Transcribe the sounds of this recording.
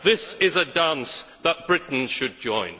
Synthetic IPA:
ðɪsɪzədãnsðət̚b̥ɹɪʔn̩ʃɨd̚d͡ʒɔ̃ɪ̃n

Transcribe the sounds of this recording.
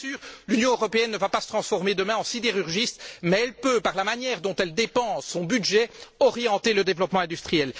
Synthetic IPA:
syːʁlynjɔ̃øʁɔpeɛnːəvapasət̪χɑ̃sfɔʁmed̪əmɛ̃ɑ̃sid̪eʁyʁʒist̪mɛɛlpøpaʁlamanjɛʁd̪ɔ̃t̪ɛld̪epɑ̃sːɔ̃byd̪ʒɛɔʁjɑ̃t̪eləd̪evlɔpmɑ̃ɛ̃d̪yst̪χijɛl

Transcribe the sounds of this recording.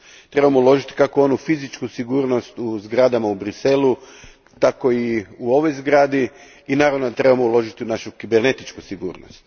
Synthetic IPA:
t̪ɾe̞bamoulˠo̞ʒit̪i̥kakoo̞nufizit͡ʃkusiɡuːɾno̞st̪uzɡɾad̪amaubɾise̞lu | t̪ako̞iuo̞ʋo̞jzɡɾaːd̪i | inaːɾaʋnot̪ɾe̞bamoulˠo̞ʒit̪iunaʃukibeɾne̞t̪it͡ʃkusiɡṵːɾno̰st̪

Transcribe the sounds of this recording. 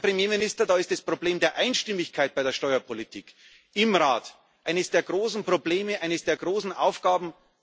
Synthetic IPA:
pʁ̥emjeːmɪnɪstɐdaːɪstɛspʁ̥obleːmdeːɐʔaɪnʃtɪmɪçkʰaɪt̚b̥aɪɾeːɐʃtɔʏɐpʰolitʰḭːk | ɪmʁaːt | ʔaɪnəsd̥eːɐɡʁoːsn̩pʁ̥obleːməʔaɪnəsd̥eːɐɡʁoːsn̩ʔaʊfɡ̥aːbm̩

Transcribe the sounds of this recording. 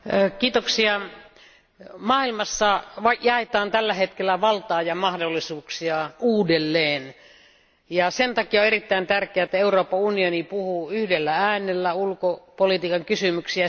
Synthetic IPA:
kiːt̪oksiɑ | mɑːilmɑsːɑʋɑjɑet̪ɑːnt̪ælːæhet̪kelːæʋɑlt̪ɑːjɑmɑhdolːisuːksiɑuːdelːeːn | jɑsent̪ɑkioerit̪ːæˑint̪ærkˑeæet̪ːæeuroːpːɑunionipuhuyhdelːææːnelːæulkopolit̪iːkɑŋkysymyksiæ

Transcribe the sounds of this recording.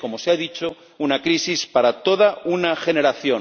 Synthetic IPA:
ko̞mo̞seaðit͡ʃo̞ | unakɾisispaɾat̪o̞ðaunaxe̞ne̞ɾaθjo̞

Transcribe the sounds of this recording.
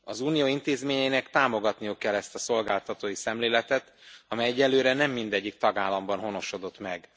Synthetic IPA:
ɒzuːnijoːint̪eːzmeːɲɛjinɛkt̪aːmo̞ɡɒt̪nijukːɛlːɛst̪ɒso̞lɡaːlt̪ɒt̪oːjisɛmleːlɛt̪ɛt̪ɒmɛjɛɟːɛlːøːɾɛnɛmːind̪ɛɟːik̚t̪ɒɡaːlːɒmbɒnɦo̞noʃo̞d̪o̞t̪mɛɡ

